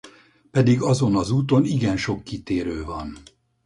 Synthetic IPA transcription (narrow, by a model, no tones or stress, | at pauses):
pɛd̪iɡɒzo̞nɒzuːt̪o̞niɡɛnʃo̞kːit̪eːɾøːvɒn